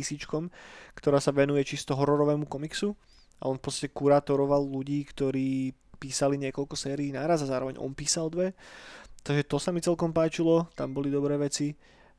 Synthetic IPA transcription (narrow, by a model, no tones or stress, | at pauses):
isiːt͡ʃkɔmkt̪ɔɾaːsaʋɛnujɛt͡ʃist̪ɔɦɔɾɔɾɔʋɛːmukɔmiksu | a̰ʔɔnfpɔtt͡st̪ḁcɛkuɾaːt̪ɔɾɔʋalluɟiːkt̪ɔɾiː | piːsaliɲɪɛkɔlkɔsɛːɾiːnaːɾazazaːɾɔʋɛɲʔɔ̰npiːsald̪ʋɛt̪aɡʒɛt̪ɔsamit͡sɛlkɔmpaːt͡ʃilɔt̪ambɔlid̪ɔbɾɛːʋɛt͡si